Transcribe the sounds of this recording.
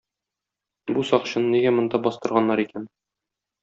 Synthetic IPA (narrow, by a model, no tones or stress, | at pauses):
busɒqɕɤ̆nɤniɡæmŏnd̪ɑbɒst̪ɤ̆ɾʁɑnːɑɾikæn